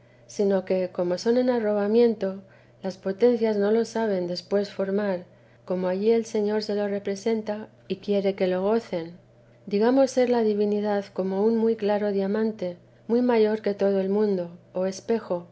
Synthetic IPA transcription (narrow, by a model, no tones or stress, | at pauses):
sino̞ke̞ko̞mo̞so̞ne̞naro̞βamjẽ̞nt̪o̞ | laspo̞t̪e̞nθjazno̞lo̞saβ̞e̞nd̪e̞spwe̞sfo̞ɾmaɾ | ko̞moaʝie̞lse̞ɲo̞ɾse̞lo̞re̞pɾe̞se̞nt̪a | ikje̞ɾe̞ke̞lo̞ɣ̞o̞θe̞n | d̪iɣamo̞sːe̞ɾlaðiβ̞iniðaðko̞mo̞unmujklaɾo̞ðjamãnt̪e̞ | mwuijmaʝo̞ɾke̞t̪o̞ð̞oe̞lmũnd̪o̞ːe̞spe̞xo̞